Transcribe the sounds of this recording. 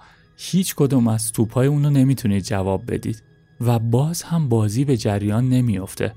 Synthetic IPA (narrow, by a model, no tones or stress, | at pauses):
hiːt͡ʃʰkʰo̞d̪uːmæzt̪ʰuːbhɒːjeuːnone̞miːt̪ʰuniːd̪̚d͡ʒævɒːb̚ːe̞̰d̪ḭːd̪̥ | væbɒːz̥hæmbɒːziːbe̞d͡ʒæɾjɒːnːe̞mijo̞ft̪ʰe̞̰